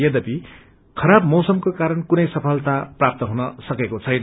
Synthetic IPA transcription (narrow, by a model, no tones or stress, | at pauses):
jʌd̪ʌpi | kʰʌɾabmʌwsʌmkokaɾʌnkunʌjsʌpʰʌlt̪aprap̚t̪ʌɦunʌsʌkekot͡sʰʌjnʌ